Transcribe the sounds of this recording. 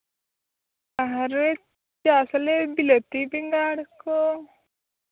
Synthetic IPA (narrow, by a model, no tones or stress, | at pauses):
aɦɐɾe | t͡ʃaːsɐlebilət̪ibiŋɡaːɽko